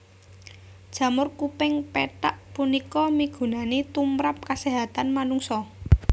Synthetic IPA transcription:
d̥ʒ̥ä̤mʊrkupɪŋpeʈaʔpunikɔmiɡ̥ṳnanet̪umɾap̚kaseɦat̪anmanuŋsɔ

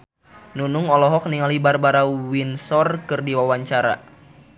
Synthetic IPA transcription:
nunuŋɔlɔɦɔk̚niŋalibarbaɾawinsɔrkɨrdiwawaɲt͡ʃaɾa̰

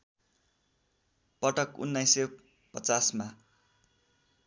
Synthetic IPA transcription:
pʌʈʌkṵnːajse | pʌt͡sasma

